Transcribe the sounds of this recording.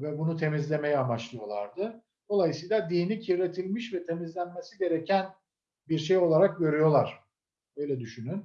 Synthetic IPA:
vɛbunut̪ʰe̞mizlʲe̞me̞jɛamat͡ʃlˠɯjo̞lˠaɾd̪ɯ | d̪̥o̞lˠajɯsɯjlˠad̪iːnicʰiɾɾe̞t̪ʰilʲmiʃvɛt̪ʰe̞mizlʲænmesiɟe̞ɾecʰæn | biɾʃe̞jo̞lˠaɾak̚ɟø̞ɾyjo̞lˠaɾ̥ | ø̞jlʲɛd̪yʃynyn

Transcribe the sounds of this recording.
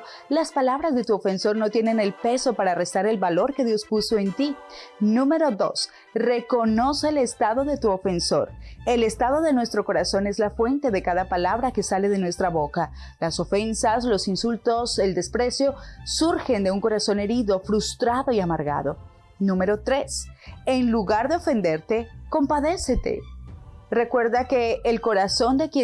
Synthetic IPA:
laspalaβ̞ɾazðe̞t̪uofe̞nso̞ɾno̞t̪je̞ne̞ne̞lpe̞so̞paɾare̞st̪aɾe̞lβalo̞ɾke̞ðjo̞spuso̞e̞nt̪inũme̞ɾo̞ðo̞̰s | re̞ko̞no̞seːle̞st̪aðo̞ðe̞t̪uo̞fe̞nso̞ɾe̞le̞st̪aðo̞ðe̞nwe̞st̪ɾo̞ko̞ɾaso̞ne̞zlafwe̞nt̪e̞ðe̞kaðapalaβɾake̞sale̞ðe̞nwe̞st̪ɾaβoka | laso̞fe̞nsaslo̞sinsult̪o̞se̞ld̪e̞spɾe̞sjo̞suɾxe̞nd̪e̞uŋko̞ɾaso̞ne̞ɾiðo̞fɾust̪ɾaðo̞iamaɾɣa̰ðo̞ | nũme̞ɾo̞t̪ɾesenluɣaɾðeo̞fe̞nd̪e̞ɾt̪e̞ko̞mpaðe̞set̪e̞̰ | re̞kwe̞ɾðake̞ːlko̞ɾaso̞nd̪e̞kje

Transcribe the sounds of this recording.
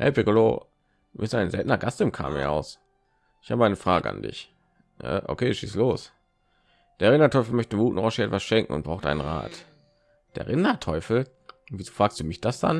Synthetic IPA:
hɛ̰pʰɪkolo̰ː | ɪstʔaɪnzɛltnɐɡastɪmkʰa̰ːmḭɐʔa̰ʊs | ʔɪçhaːbəaɪnəfʁ̥a̰ːɡə̰ʔa̰ndɪ̰ç | a̰ʔo̰kʰeːʃḭːsloːs | d̥eːɐʁɪnɐtʰɔʏfl̩mœçtəɪɡuːtn̩ʁɔʃəɛtv̥asʃɛŋkŋ̩ʊ̰nt̚b̥ʁaʊxtʔa̰ɪnənʁa̰ːt | d̥eːɐʁɪnɐtʰɔʏfl̩ | viːzoːfʁ̥aːkstd̥uːmɪçd̥asd̥a̰n

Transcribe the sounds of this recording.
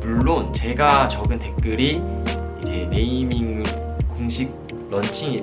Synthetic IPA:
muɭːont͡ɕe̞ɡat͡ɕʌɡɯnte̞k̚k͈ɯɾiid͡ʑe̞ne̞imiŋɯkoŋɕʰik̚ | ɾʌnt͡ɕʰiŋi

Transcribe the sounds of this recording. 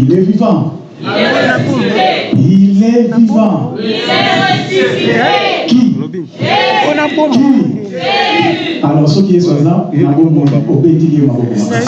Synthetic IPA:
ilevivã | jilevivã | ki | ki | alɔsokiesazãmaɡobõobetiɡemaɡobõ

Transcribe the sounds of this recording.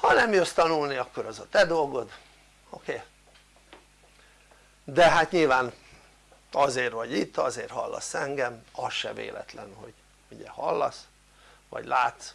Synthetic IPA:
hɒnɛmjøst̪ɒnulniɒkːo̞ɾɒzɒt̪ɛd̪o̞lɡo̞d̪ | okeː | d̪ɛɦat̪ɲilvaːn | ɒzeːrvɒɟit̪ːɒzeːrhɒlːɒ̰sɛŋɡɛmɒsʃɛ̰vḛːlɛ̰t̪lɛnho̞̰ɟ̥ | uɟɛhɒlːɒs | ʋɒ̰ɟlaːt̪s

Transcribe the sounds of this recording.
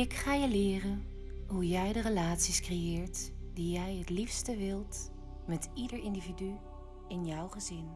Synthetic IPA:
ɪkχaːjəlɪːrən | ɦujɛjdərəlaːtsiskrejɪːɹtdijɛjɦətlifstəʋɪlˠt | mɛtidəɹɪndividy | ɪnjɔwχəzɪn

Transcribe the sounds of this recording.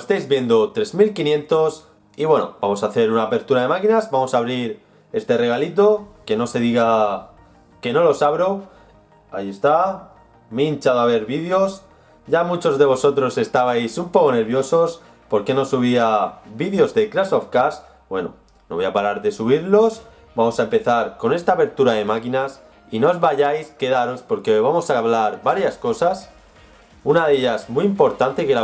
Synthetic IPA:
est̪ejzβje̞nd̪o̞t̪ɾe̞zmilkinje̞nt̪o̞s | iβwe̞no̞̰bamo̞saːθe̞ɾunaːpe̞ɾt̪uɾaðe̞makinazbamo̞saːβ̞ɾiɾ | e̞st̪e̞re̞ɣ̞alit̪o̞ke̞no̞se̞ðiɣa | ke̞no̞lo̞saβɾo̞ | aie̞st̪a | mint͡ʃaðoaβ̞e̞ɾβiðjo̞s | ɟ͡ʝamut͡ʃo̞zðe̞β̞o̞so̞t̪ɾo̞se̞st̪aβajsumpo̞ko̞ne̞ɾβjo̞so̞s | po̞ɾke̞no̞suβ̞iabiðjo̞zðe̞kɾaso̞fkas | bwe̞no̰ | noβojapaɾaɾðe̞suβ̞iɾlo̞s | bamosaempe̞θaɾko̞ne̞st̪aːβe̞ɾt̪uɾaðe̞makinas | ino̞zβaʝajske̞ðaɾo̞spo̞ɾke̞βamo̞saβlaɾβaɾjasko̞sas | unaðe̞ʝasmiimpo̞ɾt̪ant̪e̞ke̞la

